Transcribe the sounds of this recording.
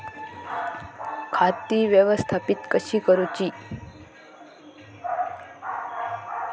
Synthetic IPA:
kʰat̪iʋjəʋəst̪ʰapit̪kəɕiːkəɾut͡ɕiː

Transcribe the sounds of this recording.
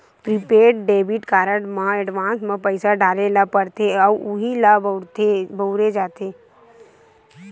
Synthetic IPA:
pɾɪpeːɾʈɖeːʋɪʈkaːɾəʈmãɛɖʋãːnsmãpəɪsaɖaːɾelapəɽt̪eɔuɦilabt̪ebəʊɾed͡ʒaːt̪eː

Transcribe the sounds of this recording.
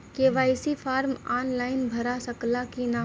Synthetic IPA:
keʋaːɪsifʰaːɾmaːnlaːɪnbʱɐɾasɐklakinaː

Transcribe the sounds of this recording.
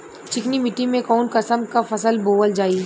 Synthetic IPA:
t͡ʃɪknimɪʈːimẽkɔːnkɐsəmkafɐsəlboːʋəld͡ʒaːi

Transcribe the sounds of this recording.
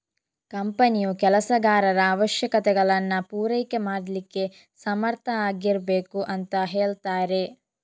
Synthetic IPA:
kɐmpɐnijukɛlɐsɐɡaːɾɐɾɐːʋɐʃjɐkɐt̪ɛɡɐɭɐnːɐpuːɾejke̞maːɽlikːe̞ | sɐmɐɾt̪ʰɐaːɡiɾbeːkuʔɐnt̪ɐɦeːɭt̪aːɾe̞

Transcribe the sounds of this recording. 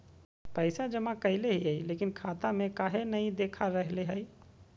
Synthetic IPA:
pəɪsad͡ʒəmãkəɪleɦiɦɛileːkɪnkʰaːt̪amẽkaːɦenəɦĩd̪eːkʰaɾəɦleɦɛi

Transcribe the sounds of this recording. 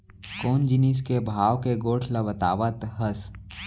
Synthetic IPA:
koːnd͡ʒinis̬kebʱaːwkeɡoːʈʰlɐbət̪a̰ːʋət̪ɦəs

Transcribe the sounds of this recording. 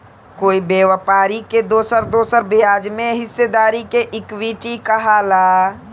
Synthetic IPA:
koːibeːwəpaːɾiked̪oːsəɾd̪oːsəɾbijaːd͡ʒmẽɦɪsːed̪aːɾikeʔɪkwiʈikəɦalaː

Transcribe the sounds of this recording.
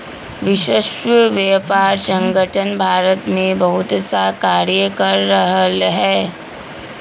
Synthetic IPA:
ʋɪʃeʃʋjɛːpaːɾsə̃ŋɡəʈʰənbʱaːɾət̪mẽbɐɦʊt̪sakaːɾjəkɐɾːəɦəlɦɛː

